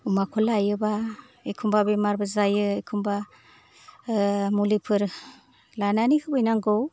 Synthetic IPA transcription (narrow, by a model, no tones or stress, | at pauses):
umakʰɔlajɯba | ekʰumbabemaɾbɯzajɯekʰumba | mulipʰɯɾ | lananihʰɯbɯjnaŋɡɔw